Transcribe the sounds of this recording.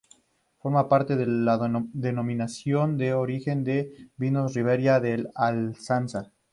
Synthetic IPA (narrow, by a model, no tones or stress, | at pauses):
fo̞ɾmapaɾt̪e̞ðelad̪eno̞mĩnasjo̞nd̪e̞oɾixe̞nd̪eβinoriβeɾjaðelalsansa